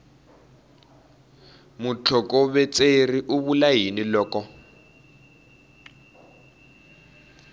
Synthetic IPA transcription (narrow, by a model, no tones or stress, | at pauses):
mut͡ɬʰɔkɔβɛt͡sʼeriʔuβulajinilɔːkɔ